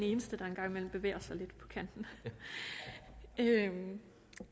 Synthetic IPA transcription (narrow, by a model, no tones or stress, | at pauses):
ne̝ːnəsd̥əd̥ɑ̈e̝nɡ̥ɑ̈ŋ̰imel̰m̩b̥e̝ʋḛːɐsɑ̈ɪle̝d̥pʰɒ̽kʰæn̰d̥n̩ | øm